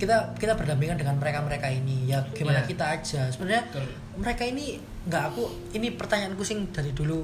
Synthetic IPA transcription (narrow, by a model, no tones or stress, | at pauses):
kit̪akit̪ab̥ərdambiŋkandəŋanməɾekaməɾekainijabaɡ̥emanakit̪ḁːd͡ʒ̥asəbənarɲa | məɾekaini | ŋɡaʔaku | inipərt̪aɲaʔankusɪŋd̥a̤ɾidulu